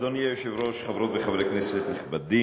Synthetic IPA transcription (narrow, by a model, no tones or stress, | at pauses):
d̪onjajʃevɾoʃχavɾot̪veχavɾeknɛset̪nɪχbad̪i